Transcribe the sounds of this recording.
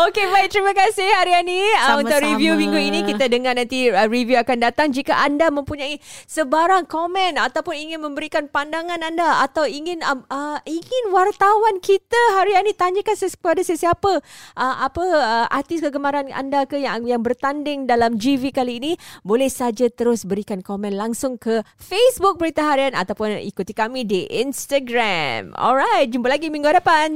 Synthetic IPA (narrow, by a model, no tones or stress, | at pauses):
okebaik̚t̪əɾimakasɪhhaɾianiəunt̪ʊʔɾivjumĩŋɡuinikit̪adəŋanãnt̪iərivjuakandat̪aŋd͡ʒikaʔandamə̃mpuɲãisəbaɾaŋkomɛ̃nat̪awpʊniŋɪnmə̃mbəɾikanpandaŋãnandaat̪awiŋɪnəməiŋɪnwart̪awankit̪aɦaɾianit̪aɲəkansəkəpadasəsiapəʔəmapəəʔa̰rt̪ɪskəɡəmaɾana̰ndakəjaŋjaŋbərt̪andɪŋdalamd͡ʒivikaliːnibolɛhsad͡ʒat̪əɾʊsbəɾikankomɛ̃nlaŋsʊŋkəfesbʊk̚bəɾit̪aɦaɾiana̰t̪awpʊnḭkut̪ikamidiʔḭnst̪aɡɾamɔ̰lɾajt̪̚d͡ʒumpalaɡimĩŋɡuadapan